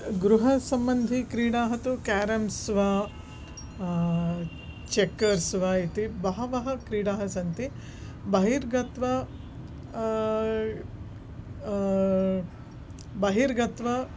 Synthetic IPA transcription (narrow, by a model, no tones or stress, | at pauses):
ɡɾuɦɐsɐmbɐnd̪ʱikɾiːɽaːɦɐt̪ukaːɾɐmsʋaː | t͡ʃekːɐɾsʋaːit̪ibɐɦɐʋɐɦɐkɾiːɽaːɦɐsɐnt̪i | bɐɦiɾɡɐt̪ʋɐ | bɐɦiɾɡɐt̪ʋɐ